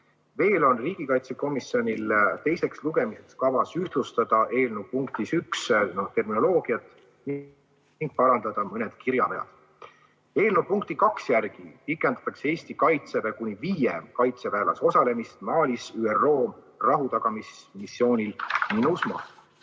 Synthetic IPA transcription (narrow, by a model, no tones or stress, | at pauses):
ve̞ːlo̞nriːɡ̥ikɑjt̪se̞ko̞misjo̞nʲilt̪e̞jse̞ksluɡe̞mise̞kskɑvɑsyht̪lust̪ɑd̪̥ɑʔe̞ːlnuwpuŋkt̪isyksnot̪e̞rmino̞lo̞ːɡ̥iɑt̪ːˑ | n | ŋɡ̥̚pɑɾɑnd̪̥ɑd̪̥ɑmɤne̞d̪̥kiɾjɑ̰vejɑ̰d̪̥ | e̞ːlnupuŋk̚t̪ikɑksjærɡ̥ipikːˑe̞nd̪̥ɑ̥t̪ːˑɑkseeːst̪ikɑjt̪seɾekunʲiviːjemkɑjt̪se̞væːlɑ̰so̞sɑle̞mist̪mɑːlʲisyːero̞ː | rɑɦut̪ɑɡ̥ɑmismisːjo̞ːnʲilminusmɑ̰